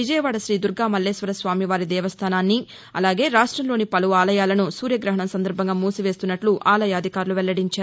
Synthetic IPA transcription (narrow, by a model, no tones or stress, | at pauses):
ʋid͡ʒɐjɐʋaːɽɐʃɾiːd̪uɾɡaːmɐlːeːsʋɐɾɐsʋaːmiʋaːɾid̪ɛːʋɐst̪ʰaːnaːnːi | ɐ̰laːɡe̞ːɾaːʂʈɾɐmlo̞ːnipɐluʋaːlɐjaːlɐnusuːɾjɐɡɾɐɦɐɳɐmsɐnd̪ɐɾbʱɐŋɡaːmuːsiʋe̞ːst̪unːɐʈluʔaːlɐjaːd̪ʱikaːɾuluʋɛlːɐɽiɲt͡ʃaːɾu